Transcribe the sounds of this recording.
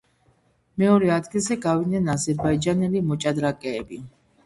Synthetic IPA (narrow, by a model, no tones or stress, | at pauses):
mɛɔɾɛad̪ɡilˠzɛɡavid̪nɛnazɛɾbaid͡ʒanɛlimɔt͡ʃʼad̪ɾakʼɛːbi